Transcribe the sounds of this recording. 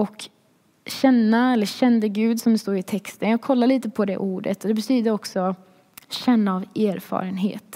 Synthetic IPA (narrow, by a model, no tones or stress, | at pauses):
ɔk | ɕɛnːaɛlːəɕɛnd̪əɡʉ̟ːd̪sɔmd̪ɛst̪oːɾɪt̪ʰɛkst̪ənjɑːɡ̚kʰɔlːaɭiːt̪əpʰɔd̪ɛ̰ʔuːɖə̰t̪ɔd̪ɛbɛt̪ʰyːd̪əɾɔksɔ | ɕɛnːaːveːɾfɑ̰ːɾənɦḛːt̪